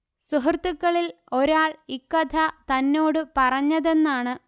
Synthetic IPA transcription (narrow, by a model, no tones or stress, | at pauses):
suɦɐrt̪ːukːɐɭil | o̞ɾaːɭikːɐd̪ʰʱɐt̪ɐnːo̞ːɽɨpɐrɐɲːɐðenːaːɳɨ